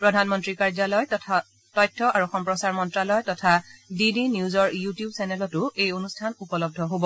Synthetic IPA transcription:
pɹɔdʱanmɔntɹikaɹzalɔjʰ | tɔjtʰːɔaɹuxɔmpɹɔsaɹmɔntɹalɔjtɔtʰadidinizɔɹjutijubsɛnɛlɔtʊejonustʰanupɔlɔb̚dʱɔɦobɔ

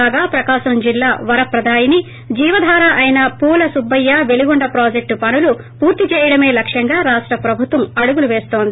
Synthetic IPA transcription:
aːɡaːpɾɐkaːʃɐmd͡ʒilːaːʋɐɾɐpɾɐd̪ʱaːjini | d͡ʒiːʋɐd̪ʱaːɾaʔɐjinɐpuːlɐsubːɐjːaʋe̞liɡuɳɖɐpɾaːd͡ʒek̚ʈpɐnulu | puːɾt̪it͡ʃɛːjɐɽɐme̞ːlɐkʂjɐŋɡaːɾaːʂʈɾɐpɾɐbʱut̪ʋɐmɐɽuɡuluʋeːst̪o̞ːnd̪ii

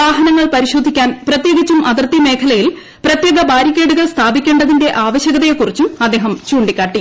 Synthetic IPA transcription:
aːɦɐnɐŋːɐɭpɐɾiɕo̞ːd̪ʱikʲːaːnprɐt̪jeːɡɐt͡ɕːumʔɐðɐrt̪ːime̞ːkʰɐlɐjil | prɐt̪jeɡɐbaːɾikʲːe̞ːɽuɣɐɭst̪ʰaːbikʲːe̞ːɳɖɐðinde̞ʔaːʋɐɕɐɣɐðɐjekːurit͡ɕːuɐd̪ːe̞ːɦɐmt͡ɕuːɳɖikʲːaːʈːi

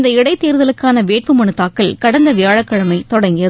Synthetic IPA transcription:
nd̪ɐɪɽɐɪt̪ːeːɾðɐlɯkːaːnɐʋeːʈ̚pɯmɐɳɯt̪ːaːkːɐlkɐɽɐnd̪ɐʋɪjaːɻɐkːɐɻɐmɐɪt̪ɔɽɐŋɡɪjɐðɯ

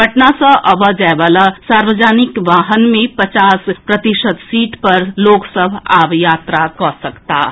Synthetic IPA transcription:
bʱɐʈnasãʔɐʋad͡ʒaːʋaːlasaːɾʋəd͡ʒaːnɪkʋaːɦənmẽpɐt͡ʃaːspɾɐt̪ɪʃət̪siːʈpɐɾloːksəbʱaːʋjaːt̪ɾakɔsɐkt̪aː

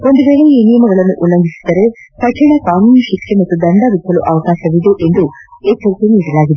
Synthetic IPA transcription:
o̞nd̪uʋeːɭeiːnijɐmɐɡɐɭɐnːuʔulːɐŋɡʱisi̥d̪ɐɾe̞ | pɐʈʰiɭɐkaːnuːnɐʃikʂemɐt̪ːud̪ɐɳɖɐʋit̪ʰːɐluʔɐʋɐkaːʃɐʋid̪uʔe̞nd̪u | ekːɐɾt̪eniːɽɐlaːɡid̪e

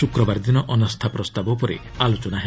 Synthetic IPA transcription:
sukɾɔbaɾd̪inɔʔɔnɔst̪ʰapɾɔst̪abɔpɔɾḛ | alot͡ʃɔnaɦe

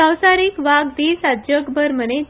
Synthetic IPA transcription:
əwsaɾikʋaɡ̚d̪iːsad͡ʑjəkbəɾməne

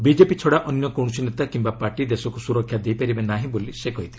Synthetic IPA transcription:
bid͡ʒepit͡ʃʰɔɽaʔɔnjɔkɔw̃s̬inet̪akimbapaɾʈid̪esɔkusuɾɔkʰːjad̪ejpaɾibenaɦĩbolisekɔɦit̪ʰile

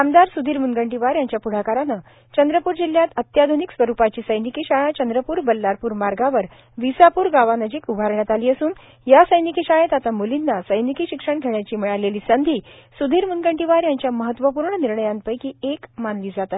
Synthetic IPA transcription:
kamd̪aɾsud̪ʱiːɾmunɡəɳʈiʋaɾjaɲt͡ɕjapuɽ̤akaɾanə | t͡ɕənd̪ɾəpuːɾd͡ʑil̤jat̪ət̪jad̪ʱoniksʋəɾupat͡ɕiːsəjnikiːɕaɭat͡ɕənd̪ɾəpuːɾbəlːaɾpuːɾmaɾɡaʋəɾ | ʋisapuːɾɡaʋanəd͡ʑiːkubʱaɾɳjat̪aliːəsuːn | jasəjnikiːɕaɭet̪at̪amolinːasəjnikiːɕikʂəɳɡʱeɳjat͡ɕiːmiɭaleliːsənd̪ʱiː | sud̪ʱiːɾmunɡəɳʈiʋaɾjaɲt͡ɕjaməɦət̪ːʋəpuːɾɳəniɾɳəjãn̚pəjkiːekmanliːd͡zat̪at̪

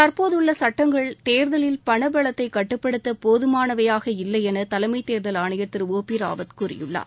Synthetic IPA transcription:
t̪ɐɾpoːðɯɭːɐsɐʈːɐŋɡɐɭt̪eːɾðɐlɪlpɐɳɐbɐɭɐt̪ːɐɪkɐʈːɯpːɐɽɯt̪ːɐpoːðɯmaːnɐʋɐjaːɣɐɪlːɐɪɛnɐt̪ɐlɐmɐɪt̪eːɾðɐlaːɳɐjɐt̪ːɪɾoːpiɾa̰ːʋɐðkʊrɪ̰jɯ̰ɭːa̰ː

